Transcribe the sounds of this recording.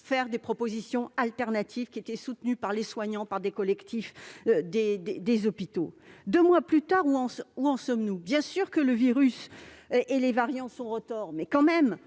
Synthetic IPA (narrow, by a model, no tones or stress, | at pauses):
fɛʁd̪epχɔpozisjɔ̃alt̪ɛʁnat̪ʰivkʲiet̪ɛsut̪nypaʁleswaɲɑ̃paʁd̪ekɔlɛkt̪ʰifd̪ed̪ed̪ezɔpit̪od̪ømwaplyt̪aʁuɑ̃suɑ̃sɔmnubjɛ̃syʁkələviʁysʔelevaʁjɑ̃sɔ̃ʁət̪ɔʁmɛkɑ̃mɛm